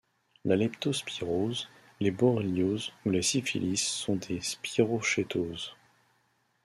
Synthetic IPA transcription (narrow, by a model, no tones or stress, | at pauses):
lalɛpt̪ospiʁoz | lebɔʁeljozulesifḭlisːɔ̃d̪espiʁoʃet̪ʰoːz